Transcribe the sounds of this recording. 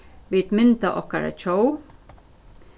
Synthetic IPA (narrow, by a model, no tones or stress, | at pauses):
ʋit̪mɪnt̪aʔɔ̰hkaɾa̰t͡ʃʰoːw